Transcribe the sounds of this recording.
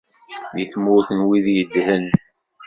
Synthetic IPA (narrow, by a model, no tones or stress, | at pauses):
ðiθmʊɾθənwiðjəd̪hən